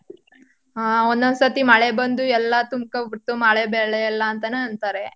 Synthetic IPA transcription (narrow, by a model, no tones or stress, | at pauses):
ond̪ɐnsɐt̪imɐɭebɐnd̪uɛlːɐt̪umkɐbiʈ̪ːumɐɭebeːɭeɛlːɐːnt̪ɐneɐnt̪aɾe